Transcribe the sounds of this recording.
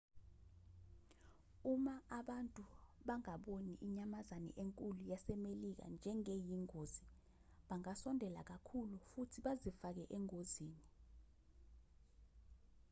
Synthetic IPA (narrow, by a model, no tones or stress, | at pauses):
umaaɓantʼuɓaŋaɓoniʔiɲamazanɛ̰ʔeŋkʼulujasɛmelik̬a̰nd͡ʒʱɛŋejiŋoːzi | ɓaŋasɔndʱɛlak̬akʰulufutʰiɓazifak̬ɛʔɛŋoziːni